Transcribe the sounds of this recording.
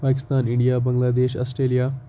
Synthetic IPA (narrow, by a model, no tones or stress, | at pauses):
paːkist̪aːniɳɖijaːbəŋɡlaːd̪eːɕɐ̰sʈɾeːlijaː